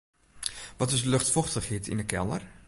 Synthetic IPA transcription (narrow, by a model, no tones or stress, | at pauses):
ʋɔtɪsløxtfɔxtəxhɪtʰḭnəkʰɛ̰lˠə̰r